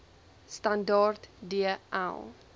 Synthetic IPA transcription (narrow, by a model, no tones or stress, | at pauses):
standɑːrtdiəʔa̰l